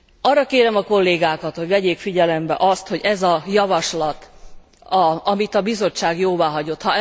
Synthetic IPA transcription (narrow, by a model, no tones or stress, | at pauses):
ɒːrːɒkeːɾɛmɒko̞lːeːɡaːkɒt̪ho̞ɟvɛɟeːkfiɟɛlɛmbɛ̰ʔɒst̪ho̞ɟɛzɒjɒvɒʃlɒt̪ | ɒɒmit̪ɒbizo̞t͡ʃːaːɡjoːvaːɦɒɟo̞t̪hɒ